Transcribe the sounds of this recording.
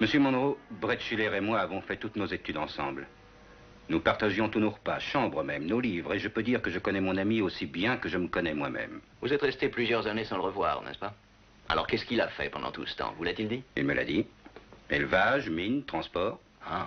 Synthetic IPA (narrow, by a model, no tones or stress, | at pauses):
məsjømɑ̃d̪ʁobʁɛt̪ʃilɛʁemwaːvɔ̃fɛt̪ut̪nozet̪yd̪ɑ̃sɑ̰̃bl | nupaʁt̪aʒjɔ̃t̪unoʁəpaʃɑ̃bʁəmɛmnolivʁeʒəpød̪iʁkəʒəkɔnɛmɔ̃namiosibjɛ̃kəʒəməkɔnɛmwa̰mɛ̰m | vuzɛt̪ʁɛst̪eplyzjœʁzanesɑ̃ləʁəvwa̰ːʁnɛ̰spa | a̰lɔ̰ʁkɛskilafɛ̰pɑ̰̃d̪ɑ̰̃t̪ṵsə̥t̪ɑ̰̃vulat̪ild̪iḭlməlʔa̰d̪i | ḛlvaʒmint̪χɑ̃spɔːʁ | a